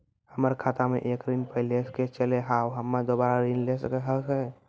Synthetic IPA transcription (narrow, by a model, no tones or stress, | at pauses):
həməɾkʰat̪amḛʔekɾinpəɪlesket͡ʃəleɦawɦəmːad̪obaɾaɾinlesəkeɦəsɛ